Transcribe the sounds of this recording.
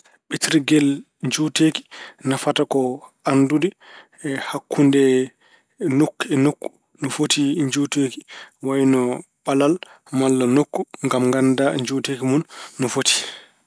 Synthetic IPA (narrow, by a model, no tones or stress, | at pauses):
ɓetɾiɡɛl | ɲd͡ʒuteki̥nafatakɔandudi | hakʰːundɛ | nokːɛnokːu̥ | nɔfotiɲd͡ʒutekiwajnɔ | ɓalal | malːanokːuŋɡamŋɡandaɲd͡ʒutekimunːɔfoti̥